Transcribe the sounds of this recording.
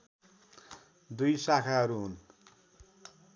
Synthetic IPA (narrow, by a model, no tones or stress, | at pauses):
d̪ujsakʰaɦʌɾuɦun